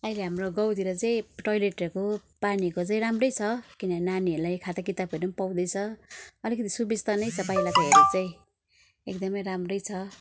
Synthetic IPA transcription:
ʌjleɦamroɡʌwt̪iɾʌt͡saĩʈojleʈekopanikot͡saĩɾamrʌjt͡sʰʌkinʌnaniʌɾlajkʰat̪akit̪ab̚kʌɾʌmpaw̃d̪ʌjt͡sʰʌʌlikʌt̪isubid͡zt̪ʌnʌjt͡sʰʌpajlakoɦeɾet͡saĩ | ek̚d̪ʌmʌjɾamrʌjt͡sʰʌ

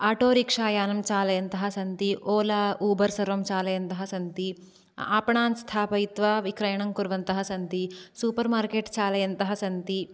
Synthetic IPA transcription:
aːʈoːɾikʂaːjaːnɐmt͡ʃaːlɐjɐnt̪ɐɦɐsɐnt̪iʔoːlɐʔuːbɐɾsɐɾʋɐmt͡ʃaːlɐjɐnt̪ɐɦɐsɐnt̪i | aːpɐɳaːnst̪ʰaːpɐjit̪ʋɐʋikɾɐjɐɳɐŋkuɾʋɐnt̪ɐɦɐsɐnt̪isuːpɐɾmaːɾkeːʈt͡ʃaːlɐjɐnt̪ɐɦɐsɐnt̪i

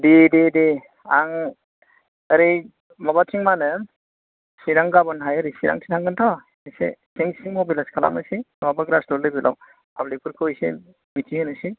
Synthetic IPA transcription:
dedede | aŋ | ɐɾij | mɔbatʰiŋmanɯ | siɾaŋɡabɯnɦajɐɾisiɾa̰ŋtʰi̥tʰaŋɡɯntʰɔ | ijsḛsʰiŋsiŋmobilaskʰala̰mɯsinɔwabaɡɾasdɔldɯbilʔa̰w | pablipʰuɾkʰɯjsḛ | mitʰihɯnɯsi

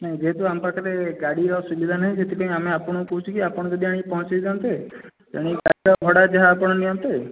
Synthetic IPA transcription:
nəĩd͡ʒeɦet̪oampɾɔkaɾeɡaɽiɾɔsubid̪ʱanəɦĩd͡ʒet̪ʰipaĩameapəɽ̃ũkɔɦũt͡ʃʰukiapəɽ̃d͡ʒod̪ʱiaɽ̃ĩpɔɦɔ̃t͡ʃed͡ʒant̪et̪aɽ̃iɡaɽiɾɔbʱɔɽad͡ʒaɦaːpəɽ̃nijɔmt̪e

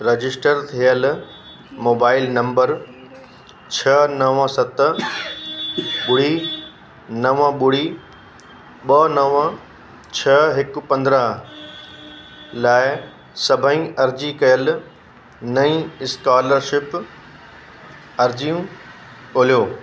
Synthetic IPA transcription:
ɾɐd͡ʑɪsʈəɾt̪ʰijəl | moːbaːɪlnɐ̃mbəɾ | t͡ɕʰɐnɐʋə̃sɐt̪ | ɓʊɽ̤i | nɐʋə̃ɓʊɽ̤i | ɓɐnɐʋə̃ | t͡ɕʰɐɦɪk̆pɐ̃nd̪ɾəɦ | laːɪ | sɐbʱəĩɐɾd͡ʑikɐjəl | nɐĩːɪskaːləɾʃɪp | ɐɾd͡ʑiũ | oːlijoː

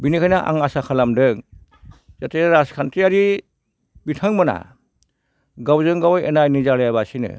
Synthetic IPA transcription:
binikʰajnaʔa̰ŋasakʰalamdɯŋ | z̥atʰeɾaskʰantɾiaɾi | bitʰaŋmana̰ | ɡawzɯŋɡawjenajnizalajaβasinɯ̰

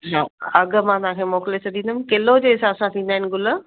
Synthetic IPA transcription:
ɦaːɐɡmãt̪ãkʰeːmoːklesɐd̪ĩːnd̪əmkeːlod͡ʑeɦɪsaːsãt̪ʰĩːnd̪aːɦɪnɪ̆ɡʊl

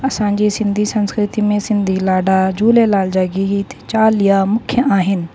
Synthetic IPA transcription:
ɐsãːɲd͡ʑiːsɪ̃nd̪ʱisɐ̃nskɾɪt̪imẽsɪ̃nd̪ʱilaːɖad͡ʑuːlelaːld͡ʒaːɡit̪ʰe̥t͡ɕaːlijamʊkʰjəaːɦɪnɪ̆

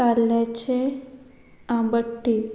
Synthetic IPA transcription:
alet͡ʃʰe | ãbəʈːi

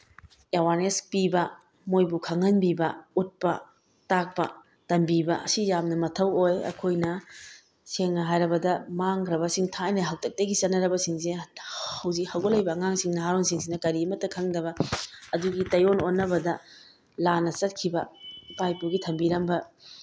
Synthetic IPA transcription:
ewaɾnespibɐ | mojbukʰɐŋɐnbibɐut̚pɐ | tak̚pɐ̰ | tɐmbibɐɐsijamnɐmɐtʰɐwojɐ̰kʰojnɐ | seŋnɐɦajɾɐbɐdɐmaŋɡɾɐbɐsiŋtʰajnɐɦɐktɐk̚tɐɡit͡ʃɐtnɐɾɐbɐsiŋsehɐwzik̚hɐwɡolɐjbɐːŋaŋsiŋnɐɦaɾoŋsiŋsinɐkɐɾiɐmɐtːɐkʰɐŋdɐβɐɐduɡitɐjononːɐbɐdɐ | lanɐsɐt̚kʰibɐb̥ajpuɡitʰɐmbiɾɐmbɐ

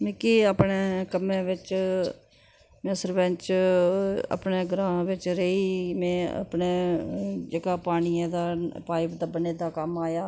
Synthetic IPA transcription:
mẽːkiːaːpɳeːkəmẽːʋɪt͡ʃ | mɛ̃ːsəɾbɛ̃t͡ʃ | ə̰pneːɡɾãːʋɪt͡ʃɾəiːmẽːə̰pneːd͡ʒeːkaːpaːñiːãd̪aːpaːɪpd̪aːbəneːd̪aːkəmaːjaː

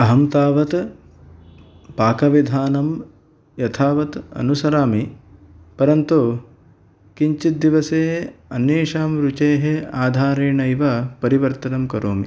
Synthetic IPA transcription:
ɐɦɐmt̪aːʋɐt̪ | paːkɐʋid̪ʱaːnɐm | jɐt̪ʰaːʋɐt̪ɐ̰nusɐɾaːmi | pɐɾɐnt̪u | kiɲt͡ʃit̪̚d̪iʋɐseːɐneːʃaːmɾut͡ʃeːɦeaːd̪ʱaːɾeːɳɐjʋɐpɐɾiʋɐɾt̪ɐnɐmkɐɾoːmi

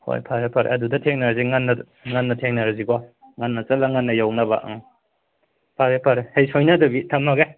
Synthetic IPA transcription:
ho̰jpʰaɾepʰaɾḛʔɐdudɐtʰeŋnaɾziŋanːɐ | ŋanːɐtʰeŋnaɾazikɔ | ŋanːɐt͡ʃɐlaŋanːɐjawnaba̰ʔŋ | pʰaɡepʰaɾehejsojnadɐbitʰamaɡe

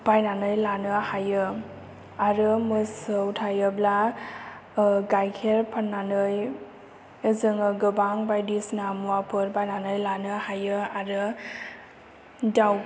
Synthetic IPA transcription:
b̥ajnanɯjlanɯhajɯ | aɾɯmɯsɯwtʰajɯbla | ɡajkʰeɾpʰanːanɯj | ɯzɯŋɯɡɯbaŋbajdisnamuwapʰɯɾbajnanɯjlanɯhajɯaɾɯ | daw

